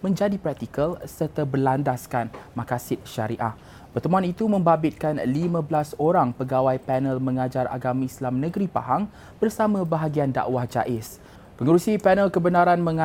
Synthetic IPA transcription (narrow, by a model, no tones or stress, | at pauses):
mə̃ɲd͡ʒadipɾɛk̚t̪ikəlsərt̪abəlandaskanmãkasɪt̪̚ʃaɾiʔah | pərt̪əmuanit̪umə̃mbabɪt̪̚kanlimãbəlasoɾaŋpəɡawajpɛnəlmə̃ŋad͡ʒaɾʔa̰ɡamĩislamnə̃ɡəɾipa̰ɦaŋ | b̥ərsamãbaɦaɡianda̰ʔwahd͡ʒa̰ʔɪs | pəŋəɾusipɛnəlkəbənaɾanmə̃ŋa